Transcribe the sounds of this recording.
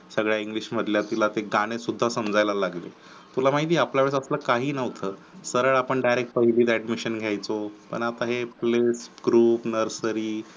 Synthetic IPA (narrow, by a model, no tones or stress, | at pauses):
səɡɭjaiŋɡliɕməd̪ʱljat̪ilat̪eɡaɽ̃esud̪ʱːasəmd͡zajlalaɡle | t̪ulamaɦit̪̬iːapljaʋeɭsəslakaɦiːnəʋt̪ʰəːsəɾəɭapəɳɖajɾek̚ʈ̚pəɦiliːd̪æɖmiɕənɡʱjajt͡sopə̰ɳat̪aɦeplesɡɾuːpnəɾsəɾiː